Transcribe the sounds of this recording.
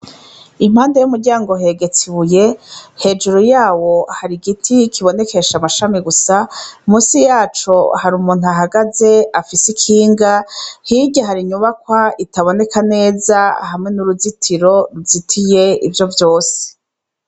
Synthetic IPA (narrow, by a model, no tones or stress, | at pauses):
im̥haːndejumuɾɟaːŋɡoɦe̞ɡe̞t͡siβuje̞he̞ːd͡ʒuɾojaːwo̞haɾiɡitʰikʰiβo̞ne̞ke̞ʃamaʃamiɡusamuːsijaːt͡ʃohaɾumuːn̥uaɦaɡaze̞afisikʰiːŋɡahiɟaɦaɾiɲuβakwaitaβo̞ne̞kane̞ːzahamŋe̞nuɾuzitʰiɾo̞ɾuzitʰije̞ḭvjo̞vjo̞ːse̥